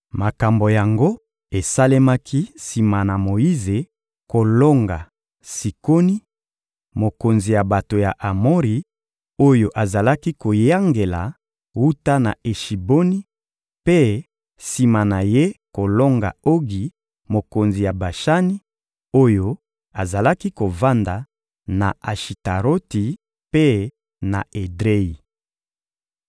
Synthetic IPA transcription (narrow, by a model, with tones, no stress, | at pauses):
ma˨ka˨mbo˨ja˨ŋɡo˦ | e˨sa˦le˦ma˦kʰi˦si˨ma˨na˨mo˨ji˦ze˨ | ko˨lo˦ŋɡa̰˨ | si˨ko˦ni˦ | mo˨ko˨nzi˨ja˨ba˨to˨ja˨ʔa˨mo˦ʁi˨ | o˦jo˨ʔa˨za˨la˦ki˦ko˨ja˦ŋɡe˨la̰˨ | wu˦ta˦na̰˨e˨ʃi˨bo˦ni˦ | pe˦ | si˨ma˨na˨je˦ko˨lo˦ŋɡa̰˨o˦ɡi˨ | mo˨ko˨nzi˨ja˨ba˨ʃa˦ni˦ | o˦jo˦ | a˨za˨la˦ki˦ko˨va˦nda˨ | na̰˨a˨ʃi˨ta˨ʁo˦ti˨ | pe˦ | na̰˨ʔe˨dʁe˦i˨